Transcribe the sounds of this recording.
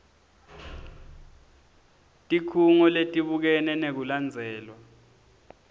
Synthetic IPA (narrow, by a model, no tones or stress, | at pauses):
tʼikʰuŋɔletʼiɓuk̬ɛnɛnek̬uland͡zʱɛːlwa